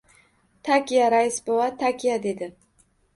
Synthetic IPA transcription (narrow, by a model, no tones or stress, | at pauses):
t̪ʰakʲijaɾaɪsbowat̪ʰakʲʰijad̪e̞d̪ɪ